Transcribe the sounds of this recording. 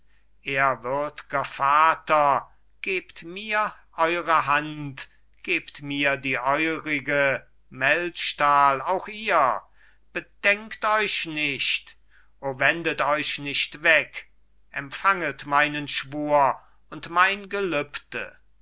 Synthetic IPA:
ʔeːɐvʏɐdɡ̥ɐfaːtɐ | ɡ̥eːptmiːɐʔɔʏʁəɦant | ɡ̥eːptmiːɐdiːʔɔʏʁɪɡə | mɛltʃtaːlaʊxʔiːɐ | b̥ədɛŋktɔʏɕnɪʃt | ʔoːvɛndətɔʏʃnɪʃtvɛk | ʔɛmfaŋətmaɪnənʃv̥uːɐ | ʊntmaɪnɡəlʏptə̰

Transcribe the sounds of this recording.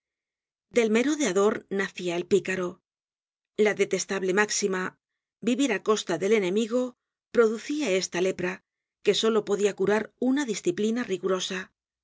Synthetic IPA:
d̪e̞lme̞ɾoðeaðo̞ɾnaθiae̞lpikaɾo̞ | laðe̞t̪e̞st̪aβle̞maksima | biβiɾako̞st̪aðe̞le̞nẽ̞miɣo̞ | pɾo̞ðuθiae̞st̪ale̞pɾa | ke̞so̞lo̞po̞ðiakuɾaɾunaðisθiplinariɣuɾo̞sa

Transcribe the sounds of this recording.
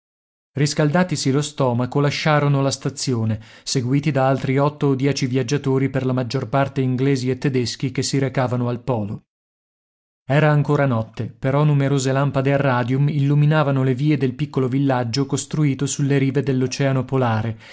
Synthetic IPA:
riskald̪aːt̪isilost̪ɔːmakolaʃːaːɾonolast̪at̪sːjoːneseɡwiːt̪id̪aalt̪ɾiɔt̪ːoːd̪jɛːt͡ʃivjad͡ʒːat̪oːɾiperlamad͡ʒːorpart̪eiŋɡleːziet̪ːed̪esk̟ikesːiɾekaːvanoalpɔːlo | ɛːɾaːŋkoːɾanɔt̪ːepeɾɔnumeɾoːzelampad̪earːaːd̪jumilːuminaːvanoleviːed̪elpikːolovilːad͡ʒːokost̪ɾuiːt̪osulːeɾiːved̪elːot͡ʃɛːanopolaːɾe

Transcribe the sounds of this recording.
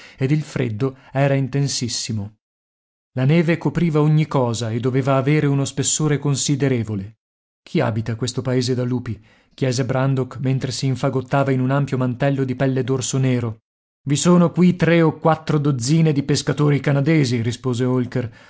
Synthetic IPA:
ed̪ilfɾḛd̪ːoɛːɾaint̪ensisːimo | lanɛːvekopɾiːvaoɲːikɔːzaed̪ːoveːvaːveːɾeunospesːoːɾekonsid̪eɾeːvole | kʰia̰ːbit̪akwest̪opaeːzed̪alːuːpi | k̟jɛːzebɾand̪okment̪ɾesiːɱfaɡot̪ːaːvainunampjomant̪ɛlːod̪ipɛlːed̪orsoneːɾo | visoːnokwit̪ɾeokwat̪ːɾod̪od̪zːiːned̪ipeskat̪oːɾikanad̪eːziɾispoːzeolker

